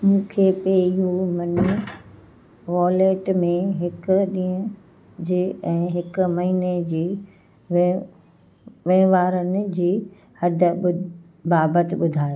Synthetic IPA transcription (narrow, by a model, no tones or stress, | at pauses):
mũːkʰepeɪɦomɐni | ʋɔːleːʈmẽɦɪkʊ̆ɗĩːə̃ | d͡ʑiːɛ̃ːɦɪkʊ̆mɐɦiːned͡ʑiː | ʋ | ʋẽːʋaːɾənɪ̆d͡ʑiː | hɐd̪ʱə̆ʊ | baːbət̪ɪɓʊd̪ʱaːjo